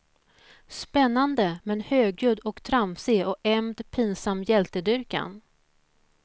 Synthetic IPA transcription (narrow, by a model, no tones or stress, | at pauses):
spɛnːand̪əmɛnhøːɡjɵd̪ɔkt̪ʰɾamseːɔkɛmd̪pʰiːnsamːjɛlt̪əd̪ʏɾka̰n